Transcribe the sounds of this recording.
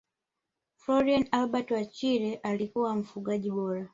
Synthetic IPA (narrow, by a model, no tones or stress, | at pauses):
flɔɾianalbatwat͡ʃiɾɛʔalikuwam̩fuɡaʄiɓɔɾa